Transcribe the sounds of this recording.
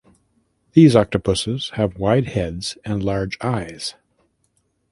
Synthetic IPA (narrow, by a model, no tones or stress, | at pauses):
ðizɑk̚tɨpʰʊsɪz̥ɨvwaɪd̚hɛdz̥ɨ̃nlɑɹd͡ʒaɪz̥